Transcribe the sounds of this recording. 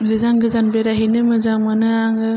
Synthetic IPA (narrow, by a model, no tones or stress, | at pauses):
ɡɯzaŋɡɯzanbeɾaɦinɯmɯzaŋmanɯaŋɯ